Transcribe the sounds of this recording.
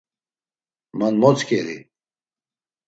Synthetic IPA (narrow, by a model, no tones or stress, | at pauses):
mɐnmot͡skeɾḭ